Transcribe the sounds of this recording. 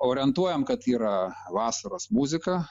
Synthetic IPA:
oːɾʲɪɛnt̪uɔjɛmkɐt̪iːɾɐʋɑːsɐɾɐsmuːzʲɪkɐ

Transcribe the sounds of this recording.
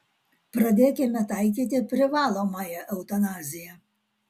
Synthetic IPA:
pɾɐd̪ʲeːkʲɪmʲɛt̪ɑɪk̬ʲiːt̪ʲɪpʲɾʲɪʋɑːlˠoːmɑjɛʔɛʊt̪ɐnɑːzʲɪjɛ

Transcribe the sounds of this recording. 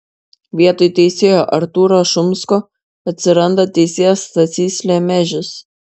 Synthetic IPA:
ʋʲiɛt̪ɔjt̪ʲɛɪsʲeːjoːʔɐɾt̪uːɾoːʃʊmskoː | ɐt̪ʲsʲɪɾɐnd̪ɐt̪ʲɛɪsʲeːjɛst̪ɐt̪sʲiːsʲlʲɛmʲɛʒʲɪs

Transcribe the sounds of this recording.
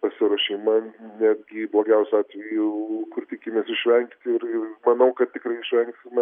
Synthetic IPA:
pɐsʲɪɾoʃʲeɪmɐnʲæːd̪ʲɡʲɪblˠoːɡʲɛʊsʲʊɑːt̪ʲʋʲɛjukʊrt̪ʲɪkʲɪmʲeɛsɪʃʲʋʲɛŋkt̪ʲɪɾɪrmɐnɐʊkɐt̪̚t̪ʲɪkrɐɪɪʃʲʋʲɛŋksʲɪmʲɛ

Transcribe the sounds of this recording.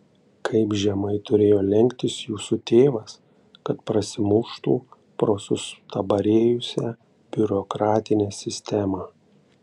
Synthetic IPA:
kʰɐɪpʒʲɛmɐɪt̪ʊɾʲeːjoːlʲɛŋʲkʲt̪ʲɪsjuːsut̪ʲeːʋɐs | kɐt̪pɾɐsʲɪmʊʃt̪ṵː | pɾoːsʊst̪ɐbɐɾʲeːjʊsʲæ | b̥ʲʊɾɔkɾɑːt̪ʲɪnʲɛːsʲɪsʲt̪ʲɛmɑː

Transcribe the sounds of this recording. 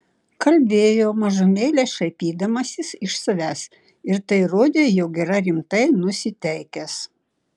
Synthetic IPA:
kɐlʲbʲeːjoːmɐʒʊmʲeːlʲeːsʃɐɪpʲiːd̪ɐmɐsʲɪsɪʃsɐʋʲæːs | ɪɾt̪ɐɪɾoːd̪ʲeːjɛʊɡʲɛɾɐɾʲɪmt̪ɐɪnʊsʲɪt̪ʲɛɪkʲɛs

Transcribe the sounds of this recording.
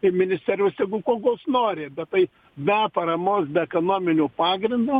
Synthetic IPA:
ɪmʲɪnʲɪsʲt̪ʲɛːɾʲʊːsjʲɛɡʊkoːɡoːsnoːɾʲeːbʲɛt̪t̪ɐɪ | bʲɛpɐɾɐmoːsbʲɛɛkonoːmʲɪnʲuːpɑːɡɾʲɪnd̪uː

